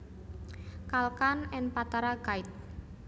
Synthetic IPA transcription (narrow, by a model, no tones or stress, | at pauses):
kalkanɛnpat̪aɾaɡaɪt̪̚